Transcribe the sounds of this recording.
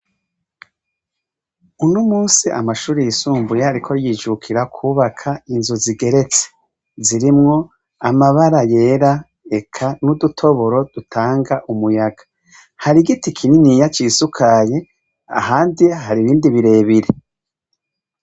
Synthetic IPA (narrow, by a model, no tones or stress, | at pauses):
unumuːsiʔa̰maʃuːɾijisuːmbujahaɾikʰo̞ɾjid͡ʒukʰiɾakʰuːβakʰainzuziɡe̞ɾe̞t͡se̥ | ziɾimŋo̞ | amaβaɾaje̞ːɾa | e̞kʰanudutʰo̞βo̞ɾo̞d̥utʰaːŋɡaʔumujaɡ̥ḁ | haɾiɡitikʰininijat͡ʃiːsukʰaje̞ | a̰haːndihaɾiβiːndiβiɾe̞ːβiɾe